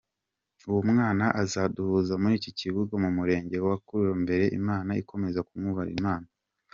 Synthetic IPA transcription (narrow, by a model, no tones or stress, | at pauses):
uwumŋaːnaʔazaduhuzamuɾiːcociβuɡamumuɾe̞ːɲɟe̞wakuɾujombe̞ɾe̞ʔḭmaːnaiko̞me̞zakumŋuβaɾḭmaːna